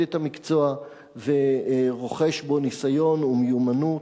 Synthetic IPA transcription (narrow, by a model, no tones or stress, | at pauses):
etamikt͡so̞a | veʁo̞χe̞ʃbo̞nisajo̞numjumanu